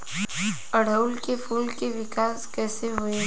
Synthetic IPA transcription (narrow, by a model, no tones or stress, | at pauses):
ɐɽ̤ʱəʊlkefʰuːlkeʋɪkaːskɛːseɦʊẽ